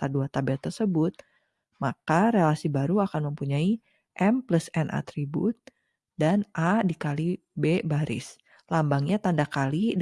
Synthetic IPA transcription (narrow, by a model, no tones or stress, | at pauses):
aduat̪abɛlt̪ərsəbʊt̪̚ | makaɾelasibaɾuakanməmpuɲai | ʔɛmpləsɛnʔa̰t̪ɾibṵt̪̚ | danʔadikali | bebaɾʔɪ̰s | lambaŋɲat̪andakali